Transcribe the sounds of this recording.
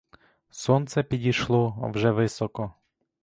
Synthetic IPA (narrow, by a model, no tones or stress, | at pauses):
sɔnt̪sɛpʲidʲiʃlˠɔwʒɛʋɪsɔkɔ